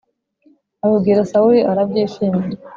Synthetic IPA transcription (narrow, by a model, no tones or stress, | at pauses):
ajubɡiːɾasauɾiʔaɾabɟiːʃiːmiɾe